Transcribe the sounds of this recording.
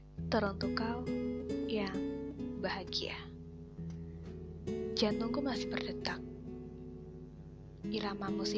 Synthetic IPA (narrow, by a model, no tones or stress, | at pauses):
t̪əɾɔnt̪ukawjaŋbaɦaɡia̰ | d͡ʒanɔŋkumasɪ̥hbərdət̪ak̚ | iɾamamus